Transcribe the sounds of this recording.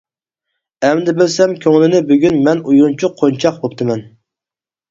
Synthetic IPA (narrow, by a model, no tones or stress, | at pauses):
ɛmd̪ɪbɪlsɛmkʲʰøŋlɪnɪbøɡʲynmɛnujɾunt͡ʃʰuqʰːont͡ʃʰɑqbopt̪ʰɨmɛn